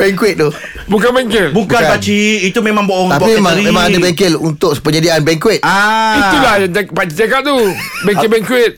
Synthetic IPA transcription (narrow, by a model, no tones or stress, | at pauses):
bɛŋkwɪt̪̚d̪ʊh | bukanbɛŋkɪlbubkanpat͡ʃiit̪umemãŋboʔɔŋt̪apimemaŋimemãŋadabɛŋkɪlunt̪ʊksə̥pəɲadiaʔanbɛŋkwɪt̪̚ait̪ulahjaŋt̪pat͡ʃit̪akat̪̚t̪u | bɛŋkɪlbɛŋkwɪt̪̚